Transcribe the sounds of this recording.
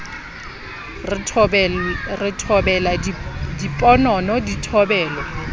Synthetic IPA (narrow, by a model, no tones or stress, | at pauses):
rɪtʰɔbɛladipʼɔnɔnɔditʰɔbɛːlɔ